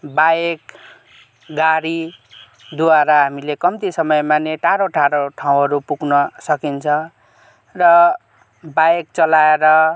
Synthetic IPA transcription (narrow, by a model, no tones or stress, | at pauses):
bajek | ɡaɾi | d̪uwaɾaɦamilekʌmt̪isʌmʌjmaneʈaɾoʈaɾoʈʰaw̃ɦʌɾupuɡnʌsʌkint͡sʰʌ̃ | rʌ | bajek̚t͡sʌlaeɾʌ